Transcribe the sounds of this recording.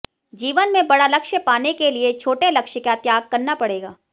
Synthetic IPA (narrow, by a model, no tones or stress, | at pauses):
d͡ʒiːʋənmẽbɐɽalɐkʃəpaːnekeliet͡ʃʰoːʈelɐkʃəkat̪jaːɡ̚kɐɾnapɐɽeːɡaː